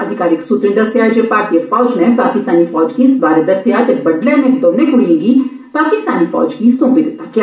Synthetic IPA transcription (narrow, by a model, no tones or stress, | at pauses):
ɐd̪ʱɪkaːɾɪksʊt̪ɾɪ̃nd̪ɐsk̪eɾad͡ʒepaːɾʈijəɾfɔːd͡ʒnɛpaːkɪst̪aːnifɔːd͡ʒkisbaːɾed̪ɐst̪ejaːt̪ebɐɖlɛ̃nẽt̪oːnẽkʊɽiẽːɡi | paːkɪst̪a̰ːnifɔ̰ːd͡ʒkisõːpid̪ɪt̪ːakja